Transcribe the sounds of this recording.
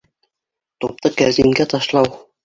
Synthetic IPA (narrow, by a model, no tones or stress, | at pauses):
t̪up̚t̪ɤkæɾziŋɡæt̪ɑʃlˠɑw